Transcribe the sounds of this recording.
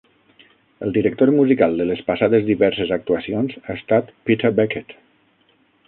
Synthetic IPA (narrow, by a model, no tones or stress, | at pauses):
əlˠd̪iɾək̚t̪oɾmuzikalˠd̪ələspasaðezðiβɛɾsəzak̚t̪uəsionzaest̪at̪pit̪əbɛket̪